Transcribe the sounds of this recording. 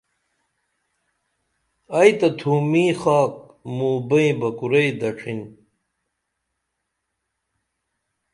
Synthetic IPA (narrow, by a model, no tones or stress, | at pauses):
ɐjt̪ɐt̪ʰuːmiːxaːk̚ | muːbɐĩbɐkuɾejd̪ɐʈ͡ʂʰin